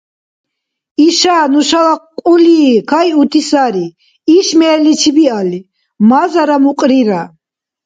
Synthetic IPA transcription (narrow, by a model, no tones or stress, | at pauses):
iʃaːnuʃalaqqʼuliːkʰajut̪ʰisaɾi | iʃmɛːlit͡ʃʰibiali | mazaɾamuqʼɾiɾa